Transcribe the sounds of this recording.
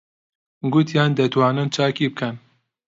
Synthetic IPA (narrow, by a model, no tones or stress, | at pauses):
ɡut̪jaːnd̪ɛt̪wɑːnɨnt͡ʃʰaːkiːbɨkʰɛn